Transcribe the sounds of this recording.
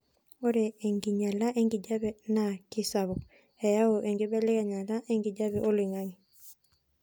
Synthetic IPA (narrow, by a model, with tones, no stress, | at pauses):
o˦ɾɛ˨e˨ŋɡi˨ɲa˨la˦ʔe˦ŋɡi˨d͡ʒa˦bɛ˨na˨kɪ˦sa˨βɔ˨ | e˨ja˦o˨ʔe˨ŋɡi˦bɛ˦lɪ˦ɣɛ˨ɲa˨la˦ʔe˦ŋɡi˨d͡ʒa˦βɛ˨ʔo˦li˨ŋa˦ŋi˨